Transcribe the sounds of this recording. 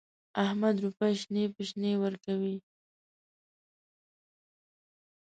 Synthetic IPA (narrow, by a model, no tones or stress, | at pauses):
ahmad̪ɾupaʃnepəʃnewəɾkawi